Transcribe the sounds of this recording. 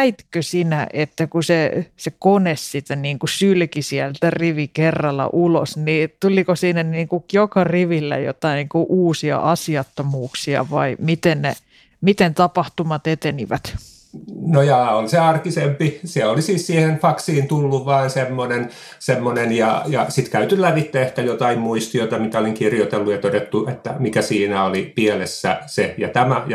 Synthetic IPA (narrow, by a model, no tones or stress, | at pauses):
it̪køsinæ̰ʔet̪ːækusesekonessit̪æniːŋkusylkisiælt̪æriʋikerːɑlːɑ̰ʔulo̰snit̪ulikosiːnæniːŋkujokɑriʋilːæ̰jo̰t̪ɑiniːŋkuʔuːsiɑ̰ʔɑsiɑt̪ːomuːksiɑ̰ʋɑimit̪ennḛ | mit̪ent̪ɑpɑht̪umɑt̪et̪eniʋæt̪ | nojɑːoliseɑrkisempiseolisiːssiːhenfɑksiːnt̪ulːuʋʋɑːnsemːonen | semːonenjɑjɑsit̪kæyt̪ylæʋit̪ːeehkæjot̪ɑimmuist̪iot̪ɑmit̪æoliŋkirjot̪elːujɑt̪odet̪ːuet̪ːæmikæsiːnæolipielesːæ̰sejɑt̪æmæj